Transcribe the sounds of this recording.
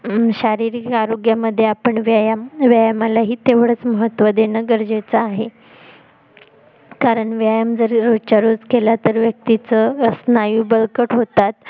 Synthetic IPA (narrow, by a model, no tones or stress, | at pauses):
ɕaɾiɾikkaɾoɡjaməd̪ʱːjeapəɳʋjajamʋjajəmalaɦiːt̪eʋɽət͡sməɦət̪ʋəd̪enəɡəɾd͡ʑet͡saːɦe | kaɾəɳʋjajəmd͡zəɾɾot͡ɕaɾod͡zkelat̪əɾʋjək̚t̪it͡səəsnajuːbəlkəʈɦot̪at̪̚